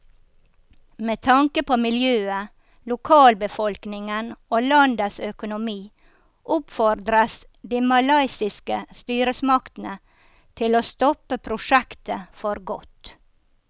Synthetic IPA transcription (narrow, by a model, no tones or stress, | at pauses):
meːt̪ʰɑŋkəpoːmɪljøːə | lʊkʰɑːlbəfɔlknɪŋənoːlɑnd̪əsœkʊnʊmiː | ʔʊpfɔɾd̪ɾəs | d̪iːmɑlɑɪsɪskəst̪yːɾəsmɑkt̪ən̩ə | t̪ʰɪloːst̪ɔpəpʰɾʊʂækt̪əfɔɾɡɔt̪